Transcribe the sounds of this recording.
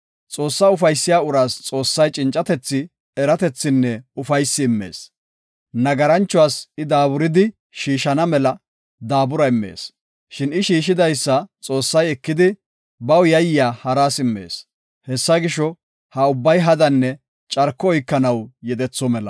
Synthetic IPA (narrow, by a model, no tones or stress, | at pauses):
t͡sʼo̞ːsːaʊfɐjsːɪjaːʊɾaːst͡sʼo̞ːsːɐjt͡ʃʼɪnt͡ʃʼːɐt̪ɛt͡sːɪ | ɛɾɐt̪ɛt͡sːɪnːɛʊfɐjsːɪːmːe̞̰ːs | nɐɡɐɾɐnt͡ʃːʊwaːsɪd̪aːbʊɾɪd̪ɪ | ʃiːʃɐnɐmɛlɐ | d̪aːbʊɾɐɪmːḛːs | ʃɪnɪʃiːʃɪd̪ɐjsːɐt͡sʼo̞ːsːɐjɛkːɪd̪ɪ | bɐwjɐjɪjaːhɐɾaːsɪmːḛːs | hɛsːɐɡɪʃɔ | hɐʊbːɐjɦɐd̪ɐnːɛ | t͡ʃʼɐɾkːɔɔjkːɐnɐwjɛd̪ɛt͡sːɔmɛlɐ̰